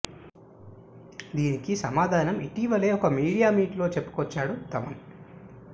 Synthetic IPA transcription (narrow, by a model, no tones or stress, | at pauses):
d̪iːnikisɐmaːd̪ʱaːnɐmiʈiʋɐle̞ːɔkɐmiːɽijaːmiːʈlo̞ːt͡ʃe̞pːu̥kɔt͡ʃːaːɽut̪ɐʋɐn